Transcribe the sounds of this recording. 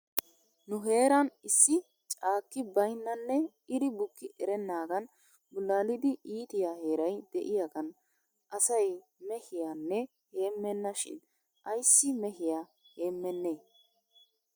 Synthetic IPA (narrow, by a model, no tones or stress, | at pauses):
nʊɦe̞ːɾɐnɪsːɪ | t͡ʃʼaːkːɪbɐjnːɐnːɛ | ɪɾɪbʊkːɪʔɛɾɛnːaːɡɐn | bʊlːaːlɪd̪ɪʔiːt̪ɪjaːhe̞ːɾɐjd̪̥ɛʔɪjaɡɐn | ʔɐsɐj | mɛhɪjaːnːɛ | he̞ːmːɛnːɐʃɪ̰n | ʔɐjsːɪmɛɦɪja | heːmːɛnːeː